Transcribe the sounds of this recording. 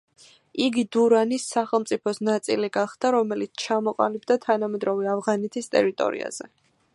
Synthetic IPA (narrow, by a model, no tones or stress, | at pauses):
iɡid̪uɾanisːaχɛlˠmt̪sʼipʰɔsnat̪sʼḭliɡaχd̪̥aɾɔmɛlit̪sʰt͡ʃʰamɔqʼa̰lib̚d̪at̪ʰanamɛd̪ɾɔvɛavʁanɛt̪ʰist̪ʼɛɾit̪ʼɔ̰ɾḭa̰z̥ɛ̰